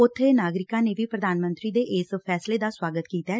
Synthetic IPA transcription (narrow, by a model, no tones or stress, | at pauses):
ʊt̪ʰːeːnaːɡɾɪkãːneːʋiːpɾəd̪aːnmə̃nt̪ɾiːd̪eːʔɪspʰɛːsleːd̪aːswaːɡət̪kiːt̪a